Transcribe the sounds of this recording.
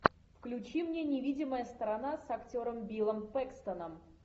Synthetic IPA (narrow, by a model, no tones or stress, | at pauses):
fklʲʉt͡ɕimnʲe̞nʲɪvʲidʲɪməjəst̪əɾanasɐktʲo̞ɾəmbʲilˠəmpɛkst̪ənəm